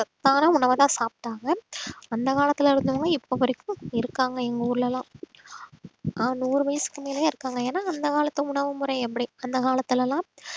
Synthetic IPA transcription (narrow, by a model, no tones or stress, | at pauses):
t̪ːãːnãːʊɳɐʋɐt̪ãːsaːp̚ʈːaːŋɡɐɐnd̪ɐkaːlɐt̪ːɪlɪɾɯnd̪ɯʋaːŋɡɐɪpːopɐɾɪkːʊ̃ɪɾɯkːaːŋɡɐɛŋɡɐʊɾɯlɐlãː | ʔanuːɾɯʋɐjɐsɯ̥kːɯmeːlɐjaːɪɾɯkːaːŋɡɐeːnaːɐnd̪ɐkaːlɐt̪ːɐʊɳɐʋɯmʊɾɐɪɛpːɐɽiɐnd̪ɐkaːlɐt̪ːɪlɛlãː